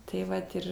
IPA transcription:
tɐɪ ˈʋɐt ɪr

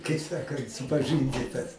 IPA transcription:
kɐɪ ˈsɑːkɐnt sʊpɐˈʒɨnʲdʲiːtɐs

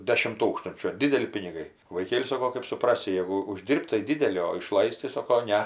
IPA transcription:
ˈdʲæːʃʲɪm ˈtuːkstʊnʲt͡ʃʲuː ɐr ˈdʲɪdʲɛlʲɪ pʲɪnʲɪˈɡɐɪ ʋɐɪˈkʲeːlʲɪ ˈsɑːkoː kɜp sʊˈprɑːsʲɪ ˈjæːɡʊ ʊˈʒʲdʲiːrʲpʲtʲ tɐɪ ˈdʲɪdʲɛlʲɪ oː ɪˈʃlˠɐɪsʲtʲ tɐɪ ˈsoːkoː ˈnʲɛ

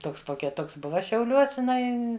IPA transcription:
ˈtoːks ˈtoːkʲɛ ˈtoːks ˈbʊʋɐ ʃʲɛʊˈlʲuɔs ɪˈnɐɪ

